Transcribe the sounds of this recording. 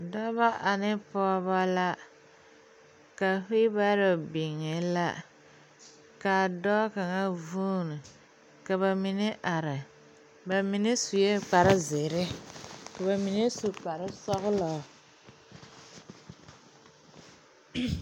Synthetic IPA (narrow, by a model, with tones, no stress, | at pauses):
da˦ba˦ʔa˨nɪ˦pɔ˦βa˦la˦ | ka˨fi˦ba˦ɾɪ˨bɪ˨ŋːɛ˨la̰˦ | ka˨dɔ˦ka˨ŋa˦vuː˦nɨ˨ | ka˨βa˨mi˨nɪ˦ʔa˨ɾɪ˨ | ba˨mi˨nɪ˦su˨je˦k͡pa˨ɾɪ˦zɪ˨ɾɪ˦ka˨ba˨mi˨ne˦su˨k͡pa˨ɾɪ˦sɔ˦ɣʊ˦lɔ˨